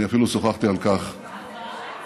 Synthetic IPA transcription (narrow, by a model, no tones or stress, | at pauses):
iafilusoχaχt̪ialkaχ